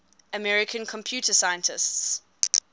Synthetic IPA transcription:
əmɛɹɪkʰə̃nkʰɔ̃mpʰj̥uːˑtəsajə̃ntɪsts

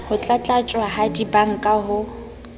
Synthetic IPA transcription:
hʊt͡ɬʼat͡ɬʼat͡ʃʼwaɦadibaŋ̩kʼaɦʊ

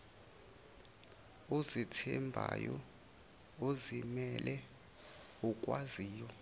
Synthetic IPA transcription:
ozitʰɛmbʱa̰jɔ | ozimɛlʔɛ | ukʼwaziːjɔ

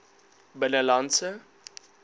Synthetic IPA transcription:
bənəlansə

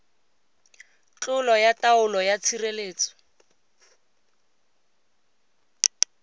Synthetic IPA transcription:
t͡ɬʊlɔjataʊlɔjat͡sʰireleːt͡sɔ̥

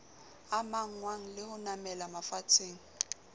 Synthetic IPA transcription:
amaŋ̩ŋwaŋ̩lɪhʊnamɛlamafat͡sʰeːŋ̩

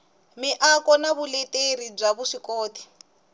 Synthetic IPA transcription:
miʔakɔnaβulɛtʼeɾib͡ʐaβuʂikɔːtʰi̥

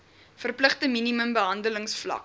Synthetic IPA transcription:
fərpləχtəminiməmbəɦɐndələŋsflɐ̰k̚

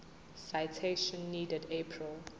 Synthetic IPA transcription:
saɪtʰeʃə̃nːiːdədepʰɹil

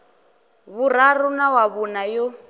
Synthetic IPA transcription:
βuɾarunawaβunajo

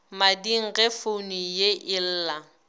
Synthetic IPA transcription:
madiŋ̩ɣɛfonijeʔɪl̩ːla

